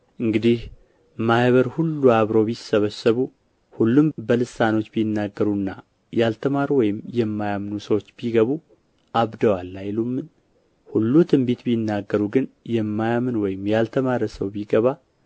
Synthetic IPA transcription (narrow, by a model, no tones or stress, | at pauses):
ʔɨŋɡɨd̪ih | mahβəɾhulːuaβɾo̞βisəβəsəβu | hulːumbəlɨsano̞t͡ʃːbijɪnːaɡːəɾuɨnːa | jalt̪ʰəmaɾwɔjɪmjɛmːajamnusəwo̞t͡ʃːbiɡəβu | ʔaβd̪əwalːajlumːɨn | hulːut̪ʰɨmbet̪bijɪnːaɡːəɾuɡɨnjɛmːajamɨnwɔjɪmjalt̪ʰəmaɾəsəwbiɡəβa